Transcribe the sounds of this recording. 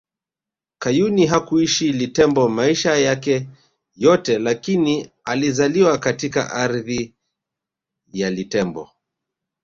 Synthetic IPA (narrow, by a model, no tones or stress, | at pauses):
kajuniɦakuiʃilitɛmbɔmaiʃajakɛ | jɔtɛlakini | alizaliwakatika̰ʔaɾði | jalitɛmbɔ̰